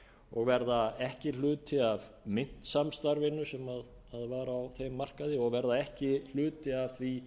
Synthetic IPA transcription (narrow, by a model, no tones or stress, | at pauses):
ɔɣvɛɾðaɛhcɪlʏːt̪ʰɪavmɪn̥t̪samst̪aɾvɪnːʏsɛmað | aðvaːɾːwθejmːar̥kaðɪɔɣvɛɾðaɛhcɪl̥ʏːt̪ɪav̥θvi